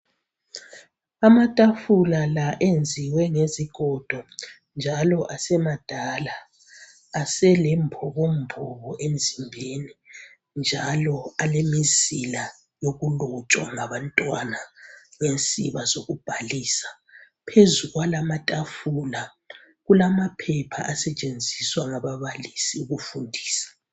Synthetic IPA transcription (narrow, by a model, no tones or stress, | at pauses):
amatʼafulalaʔend͡zʱiwɛŋeziɡ̥ʱɔd̥ʱɔ | nd͡ʒʱalɔʔasɛmad̥ʱalaː | sɛlɛmbʰʱɔβombʰʱɔβɔʔem̩zʱimbʱeni | nd͡ʒʱalɔalemizila | joɣulɔt͡ʃʼwa̰ŋaβantʼwanaŋensʼiβazoɣub̥ʱaliːsḁ | pʰezuɣwalamatʼafuːla | ɣulamapʰɛpʰa̰ʔasɛt͡ʃʼend͡zʱiswaŋaβaβalisiuɣufundʱiːsḁ